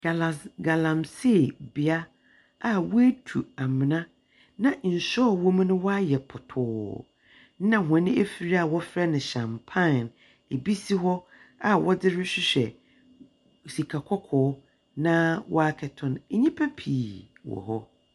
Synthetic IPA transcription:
ɡa˨la˨ɡa˨lã˨mse˦˨bi˨a˦ | a˨we˦tʰu˨a˨mɪ̃˨nã˦ | nã˨n̩˨ɕɔ˦˨wo˦m̃˦nʊ̃˦wɔ˦a˦jɛ˨pʰʊ˨tʰʊː˨˦ | nã˦˨ɦʷʊ˨ã˨nɪ̃˦e˦fi˨ɾi˦a˨wɔ˦fɾɛ˦nɪ̃˨ɕã˨mpʰã˦˨n | e˨bi˦si˦ɦɔ˦ | a˨wɔ˦dɪ˦ɾɪ˦ɕᶣɪ˦ɕᶣɛ˨ | si˨kʰa˨kʰɔ˦kʰɔː˨˦ | nã˦wɔ˦a˦kʰɛ˨tʰɔ̃˨n˦ɲĩ˦pʰɛ˦pʰiː˨ | wɔ̰˨hɔ˦

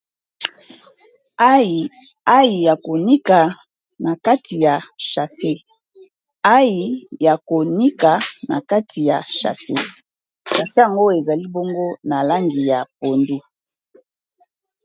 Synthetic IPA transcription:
a˦i˨ | a˦ji˨ja˨ko˨ni˦ka˨ | na˨ka˦tʰi˨ja˨ʃa˨se˦ | a˦ji˨ja˨ko˨ni˦ka˨na̰˨ka˦tʰi˨ja̰˨ʃa̰˨se˦ | ʃa˨se˦a˨ŋɡo˦e˨za˨li˦bo˦ŋɡo˦na˨la˦ŋɡi˨ja˨po˨ndu˦

